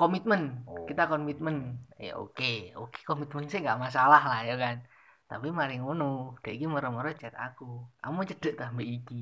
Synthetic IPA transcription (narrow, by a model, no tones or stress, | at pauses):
komit̪̚mənkit̪akɔnmit̪̚mənja̰ʔo̰keo̰ke̥komit̪̚mənsɪhŋɡaʔmas̬alahlahjakan | t̪apimaɾɪŋunud̥aʔikiməɾəməɾət͡ʃɛt̪a̰kua̰mut͡ʃəd̥əʔt̪ahmbəʔiki